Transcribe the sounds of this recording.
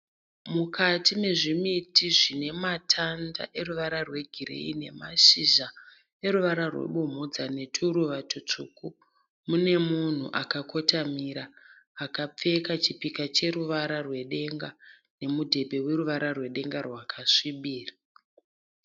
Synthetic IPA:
mukʰatime̞ʐimitiʐine̞matʰanda̰ʔe̞ruʋaɾarwe̞ɡʱiɾḛḭne̞̰maʃiʒa | e̞ɾuʋaɾarwḛɓomud͡zane̞tʰuɾuʋatʰot͡ʂuːku | mune̞mun̤ṵʔakako̞tamiɾaː | kap͡fe̞kat͡ʃipikat͡ʃe̞ɾuʋaɾarwe̞ɗe̞ŋɡa | ne̞mudʱe̞bʱe̞we̞ɾuʋaɾarwe̞ɗe̞ŋɡarwakʰaʂiɓiːrḁ

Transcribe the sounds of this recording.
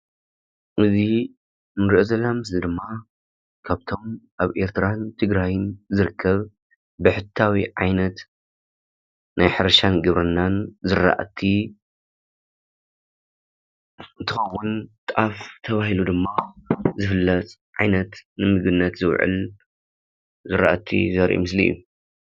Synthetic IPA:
ʔɨzi | mɨɾiʔozɐlamɨsɨd̪ɨmːa | kʰaβt̪ʰo̞mʔaβʔe̞ɾt̪ʰɨɾant̪ʰɨɡɾajɨnzɨɾɨkʰːɐβ | bɨħɨt̪ʰːawiʕajnɐt̪ | najħɨɾɐʃanɡɨβɾɐnːanzɨɾa̰ʔt̪ʰi | ɨnt̪ʰɨxɐwːʊnt̪ʼʔaft̪ʰɐβahilud̪ɨmːazɨfɨlːɐt͡sʼʕajnɐt̪nɨmɨɡɨnːɐt̪zɨwʕɨ̰l | zɨɾa̰ʔt̪ʰːḭzɐɾʔṵmɨslḭjːu

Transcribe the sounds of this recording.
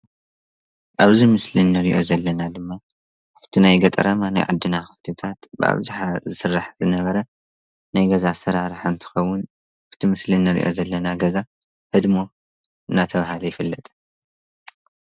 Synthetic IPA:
ʔaβzimɨslinːɨɾiʔo̞̰zɐlːɐnad̪ɨmːa | ħɨ̥t̪ʰinajɡɐt̪ʼɾɐmana̰jʕa̰d̪ːɨnaxɨ̥slɨt̪ʰat̪bɨ̰a̰βzɨħazɨsɨrːaħzɨnɐβɐɾɐ | najɡɐzasɐɾaɾħant̪ʰɨ̥xɐwːʊn | ħɨ̥t̪ʰimɨslinːɨɾḭʔo̞̰zɐlːɐnaɡɐza | hɨd̪mo̞ | ɨnat̪ʰɐβahalɐjɪfɨlːɐt̪ʼ

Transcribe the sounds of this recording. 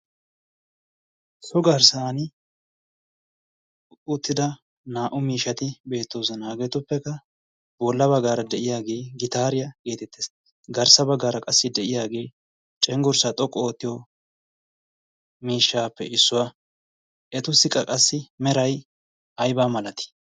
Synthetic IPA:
sɔɡɐɾsaːnɪ | ʊt̪ːɪd̪ɐ | naːʔʊmiːʃːɐt̪ɪbe̞ːt̪ːo̞ːzɐnaːɡeːt̪ʊpːɛkːɐ | bɔlːɐbɐɡaːɾɐd̪ɛʔɪjaːɡe̞ːɡɪt̪aːɾɪjɐɡe̞ːt̪ɛt̪ʰːeːs | ɡɐɾsɐbɐɡːaːɾɐkʼɐsːɪd̪ɛʔɪjaːɡe̞ː | t͡ʃʼɛŋɡʊɾsat̪ʼɔkʼːɔoːt̪ːɪjɔ | miːʃːaːpːɛ̰ʔɪsːʊwa | ʔɛt̪ʊsːɪkʼɐkʼɐsːɪmɛɾɐj | ɐjbaːmɐlɐt̪ɪ̥

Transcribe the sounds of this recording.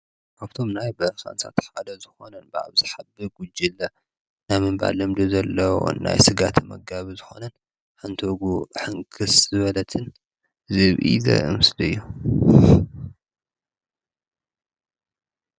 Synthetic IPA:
kʰaβt̪ʰo̞mnajbɐxa̰nsʰa̰t̪ħad̪ɐzɨxo̞nɐnbɨʕa̰βzɨħabːɨɾɡud͡ʒilːɐ | najmɨmba̰lːɐmd̪ozɐlːɐwo̰na̰jsɨɡat̪ʰmɐɡaβizɨxo̞̰nɐn | ħant̪ʰoɡuħɨŋkʰɨszɨβɐlɐt̪ʰɨn | zɨβʔḭzɐ̰ɨ̰mɨslɨɨjːu

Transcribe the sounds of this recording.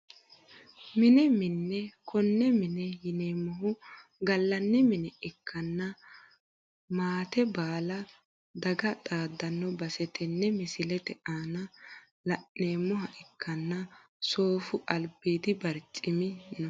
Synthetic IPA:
mɪnɛmɪnːɛkʰɔnːɛmɪnɛjɪneːmːɔɦʊɡɐlːɐnːɛmɪnɛɪkːɐnːɐ | maːt̪ɛbaːlɐ | d̪ɐɡɐt̪ʼaːd̪ːɐnːɔbɐsɛt̪ʰɛnːɛmɪsɪlɛt̪ɛʔaːnɐ | lɐʔneːmːɔhɐʔɪkʰːɐnːɐ | so̞ːfʊʔɐlbiːd̪ɪbɐɾt͡ʃʼɪmɪnːɔ

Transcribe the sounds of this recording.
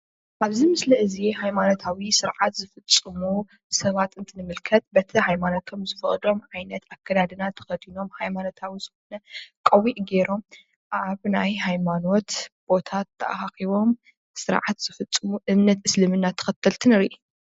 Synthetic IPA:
ʔaβzimɨslɐʔɨzihajmanot̪ʰawisɨɾʕat̪zɨfɨt͡sʼːɨmu | sɐβat̪ɨnt̪ʰɨnɨmɨlkʰɐt̪̚bɐt̪ʰihajmano̞t̪ʰo̞mzɨfɨχʼd̪o̞mʕajnɐt̪akʰːɐd̪ad̪ɨnat̪ʰɐ̥xɐd̪ino̞mhajmano̞t̪ʰawiz̥ɨxo̞nɐkʼɐwiʔɡe̞ɾo̞m | ʔaβnajhajmano̞t̪b̥o̞t̪ʰat̪ːɐ̰ʔahaxiβo̞m | sɨɾʕa̰t̪z̥ɨfɐt͡sʼːɨmuʔɨmnɐt̪ɨslɨmɨnːat̪ʰɐ̥xɐt̪ʰːɐlt̪ʰɨnɨɾiʔ

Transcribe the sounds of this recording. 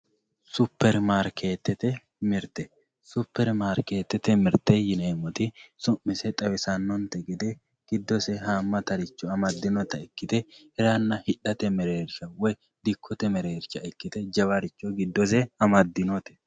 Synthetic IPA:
sʊpːɛɾmaːɾkʰe̞ːt̪ːɛt̪ɛ | mɪɾt̪ɛ | sʊpːɛɾmaːɾke̞ːt̪ːɛt̪ɛmɪɾt̪ɛjɪnemɔt̪ɪsʊmːɪsɛt̪ʼɐwɛsɐnːɔnt̪ɛɡɪd̪ɛ | ɡ̥ɪd̪ːɔsɛhaːmːɐt̪ɐɾɪt͡ʃːɔɐmɐd̪ːɪnɔt̪ːɐɛkːɪt̪ɛ | ɛɾanːɐhɪᶑːɐt̪ɛmɛɾeːɾʃɐwɔj | d̪ɪkʰːɔt̪ɛmɛɾeːɾt͡ʃːɐɛkːɪt̪ɛd͡ʒɐβaɾɪt͡ʃːɔɡɪd̪ːɔs̬ɛɐmɐd̪ːɪnɔt̪ɛ̥

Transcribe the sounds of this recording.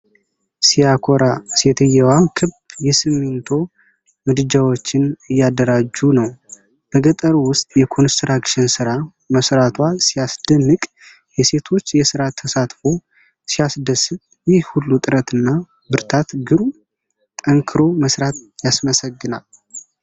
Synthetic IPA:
sijakʰoɾaset̪ʰɨjɛwakʰɨbjɛsɨmːent̪ʰo̞ | mɨd̪ɨd͡ʒawo̞t͡ʃːɪnɨjːad̪əɾad͡ʒːunəw | bəɡət̪ʼəɾwʊst̪ʼjɛkʰo̞nst̪ɾakʃɪnsɨɾa | məsɾat̪ʰwasijasd̪̥ənːɨkʼ | jɛse̞t̪ʰo̞t͡ʃːjɛsɨɾat̪ʰːəsat̪fo̞ | sijasd̪əsɨtʼ | jɪhhulːut̪ʼɨɾət̪ɨnːa | bɨɾt̪ʰat̪ɡɨɾu | t̪ʼəŋkʰɨɾo̞məsɾat̪jasməsəɡːɨnal

